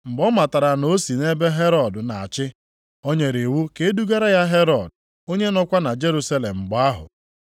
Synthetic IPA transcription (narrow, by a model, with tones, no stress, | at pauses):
mŋ͡m̩˨ɡ͡bɔ˦ma˨ta˨ɾa˨no˦si˨ne˦be˦ɦe˦ɾɔ˨dna˨a˨t͡ʃɪ˦ | o˦ɲe˨ɾe˨wu˦ke˨˦e˦du˦ɡa˦ɾa˦ja˦ɦe˦ɾɔ˨d | o˦ɲe˦nɔ˦kʷa˦na˨d͡ʒe˦ɾu˦sa˦le˨m̩˨ɡ͡ba˦a˦ɦʊ̰˨